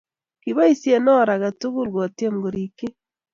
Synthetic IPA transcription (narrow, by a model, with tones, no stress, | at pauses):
kiβa˦isje˦nɔ˦ɾaɣa˨tu˦ɣu˦lwo˨te˦mɡoɾike˦